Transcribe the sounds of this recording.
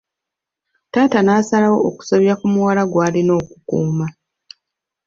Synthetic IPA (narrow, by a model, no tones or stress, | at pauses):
taːtanaːsalawo̞oku̥soβjɾakumuwalaɡwaːlino̞ːku̥kṵːma